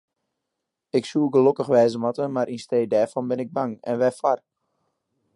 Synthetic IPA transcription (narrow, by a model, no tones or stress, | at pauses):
ɪksuːəɡəlokəxʋɛːzəmatəmaɾinsteːdɛɹfɔnbɪnɪɡ̚baŋɛ̰nʋɛfwar